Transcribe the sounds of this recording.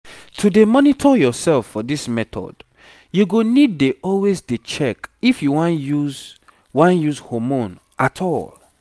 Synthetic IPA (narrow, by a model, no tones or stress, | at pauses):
tʰudemɔnitʰɔjɔsɛlfːɔdismɛtɔ̰d̥ | juɡonid̚deʔɔlwezdet͡ʃɛkifjuwãnjuz | wãnjuzhɔmõn | ʔatʰɔl